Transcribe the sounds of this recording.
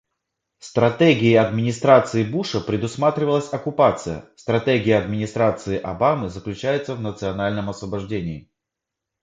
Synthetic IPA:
fst̪ɾɐt̪eɡʲɪːɐd̪mʲɪnʲɪst̪ɾat̪sɨɪbuʂəpɾʲɪd̪ʊsmat̪ɾʲɪvəlˠəsʲɐkʊpat̪sɨjə̰st̪ɾɐt̪eɡʲɪjəɐd̪mʲɪnʲɪst̪ɾat̪sɨɪʔɐbamɨzəklʲʉt͡ɕæjʊt̪səvnət̪sɨɐnalʲnəmɐsvəbɐʐdʲenʲɪː

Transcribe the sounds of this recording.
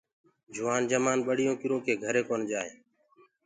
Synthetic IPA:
d͡ʒʱʊʋaːnd͡ʒəmaːnɓəɽ̤ɪjõːkɪɾõːkʰeːɡʱəɾeːkoːnd͡ʒaːɦẽː

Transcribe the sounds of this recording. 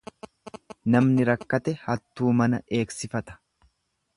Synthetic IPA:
nɐmnɪɾɐkːɐt̪ɛhɐt̪ːuːmɐnɐe̞ːksɪfɐt̪ɐ̥

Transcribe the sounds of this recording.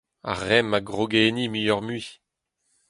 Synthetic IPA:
a̰ʁːɛmaɡʁoɡeːnimijɔʁmɥi

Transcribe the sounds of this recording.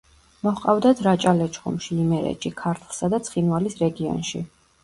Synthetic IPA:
mɔχqʼavd̪at̪ʰɾat͡ʃʼalɛt͡ʃʰχṵmʃiimɛɾɛ̰t͡ʃʰʼikʰaɾt̪ʰlˠsad̪at̪sʰχinvalisɾɛɡiɔ̰nʃḭ

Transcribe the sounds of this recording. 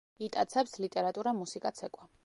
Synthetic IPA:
it̪ʼat̪sʰɛpslit̪ʼɛɾat̪ʼuɾamusikʼat̪sʰɛkʼwa

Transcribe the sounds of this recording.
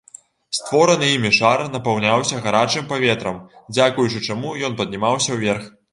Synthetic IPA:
st̪vɔɾɐnɨimʲiʂarnɐpawnʲawsʲɐɣaɾat͡ʂɨmpavʲɛt̪ɾɐmd͡zʲakujut͡ʂɨt͡ʂamujɔnpɐd̪̚ʲnʲimawsʲɐwvʲɛrx

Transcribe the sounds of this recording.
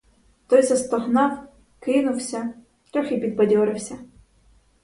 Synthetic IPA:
t̪ɔjzɐst̪ɔɦnɑw | kɪnʊwsʲɐ | t̪ɾɔxʲipʲid̪̚bɐdʲɔɾɪwsʲɐ

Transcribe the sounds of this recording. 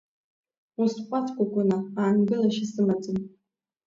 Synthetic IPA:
usqʷʼatʰkʷʼakʷʼʊnaaːnɡɨlaʃasɨmat͡sʼɨn

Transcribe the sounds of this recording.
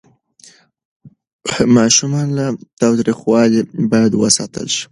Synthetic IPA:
mɑʃumɑnlat̪ɑwt̪ɾixwɑlibɑjad̪wəsɑt̪ə̰lʃi̥

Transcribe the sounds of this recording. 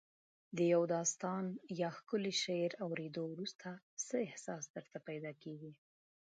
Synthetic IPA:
d̪əjawd̪ɑst̪ɑnjɑxkəleʃeɾawɾed̪owɾust̪ʰa | səɪhsɑsd̪əɾt̪apajd̪ɑkeɡi

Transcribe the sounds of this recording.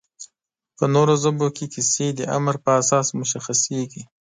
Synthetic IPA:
pənoɾozəbokekised̪əʔa̰mɾpəasɑsmʊʃaxaseɡi

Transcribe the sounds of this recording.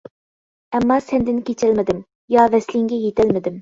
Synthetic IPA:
ɛmːɑsɛnd̪ɪnkʲet͡ʃʰɛlmɪd̪ɪm | jɑvɛslɪŋɡʲɛjet̪ælmɪd̪ɪm

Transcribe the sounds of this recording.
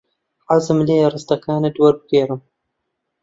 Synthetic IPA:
ʕazɨmleːɾɨst̪ɐkaːnɨd̪wɐɾbɨɡeːɾɨm

